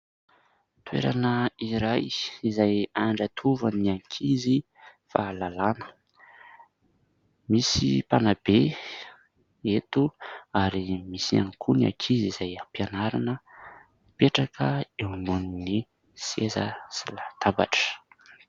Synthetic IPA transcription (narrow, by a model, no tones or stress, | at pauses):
t̪wḛɾa̰nəiɾajizajaɳɖ͡ʐat̪ʰuvəniaŋkʰizi | falalanə̥ | misḭpanab̥e | et̪uaɾimisia̰ŋkʰunia̰kʰizizajapianaɾanə | peʈ͡ʂakʰəeununini | seza̰silat̪aba̰ʈ͡ʂə̥